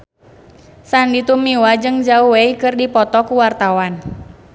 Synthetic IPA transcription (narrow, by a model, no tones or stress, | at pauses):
sandit̪umiwad͡ʒɨŋd͡ʒauweikɨrdipɔt̪ɔkuwart̪awan